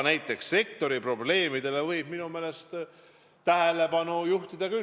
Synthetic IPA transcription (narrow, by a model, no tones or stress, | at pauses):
næjt̪ːˑe̞ksːe̞kt̪o̞ɾipro̞ble̞ːmid̪̥e̞levɤjb̥̚minume̞ːle̞st̪ | t̪æɦe̞le̞pɑnujuht̪id̪̥ɑky